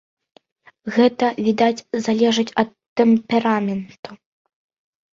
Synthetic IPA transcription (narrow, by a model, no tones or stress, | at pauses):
ɣɛt̪ɐvʲid̪at͡sʲzalʲɛʐɨt͡sʲɐt̪ːɛmpʲɛɾamʲɛnt̪u